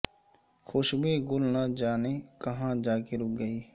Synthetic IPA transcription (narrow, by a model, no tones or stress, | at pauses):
xʊʃbʱiɡʊlnad͡ʒaːnekɐɦãd͡ʒaːkeɾʊk̚ɡəiː